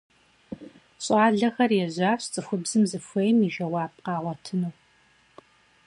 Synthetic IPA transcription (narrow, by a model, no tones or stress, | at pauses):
ɕʼɑːɮɐxɐrjɛʑʷaːɕt͡sʼɨxʷʊbzɨmzɨfʷejmiʒɐwɑːp̚qɑːʁʷɐtʰɨnuː